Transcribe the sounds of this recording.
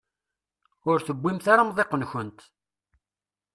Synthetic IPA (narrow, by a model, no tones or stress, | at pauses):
ʊɾθəbʷːimθaɾamðˤeqənçənt̪